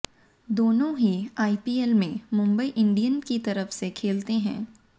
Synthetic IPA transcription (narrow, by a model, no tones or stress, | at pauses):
d̪oːnõɦiaːipiːelmẽmʊ̃mbəiʔɪ̃ɳɖijənkit̪ɐɾəfsekʰeːlt̪eɦɛ̰̃ː